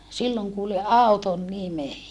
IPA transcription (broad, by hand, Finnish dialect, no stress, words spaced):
silːoŋ kuːli ʔɑˑuton nime